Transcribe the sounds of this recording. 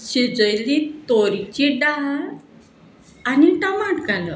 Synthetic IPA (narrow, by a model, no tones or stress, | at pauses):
ɕed͡zəjlit̪oɾit͡ɕiɖaɦɾ | aniʈəmaʈkalə